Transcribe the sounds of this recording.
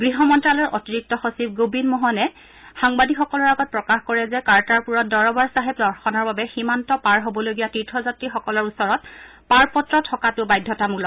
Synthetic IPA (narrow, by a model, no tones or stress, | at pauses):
ɡɹiɦɔmɔntɹalɔɹʔotiɹik̚tɔxosibɡobinmɔɦɔnɛ | xaŋbadixɔkɔlɔɹaɡɔt̚pɹɔkaxkɔɹɛzɛkaɹtaɹpuɹɔt̚dɔɹɔbaɹsaɦɛpdɔɹxɔnɔɹbabɛximantɔpaɹɦobɔloɡijatitʰɹɔzatɹixɔkɔlɔɹusɔɹɔt̚paɹpɔtɹɔtʰɔkatʊbajdʱːɔtamuklɔ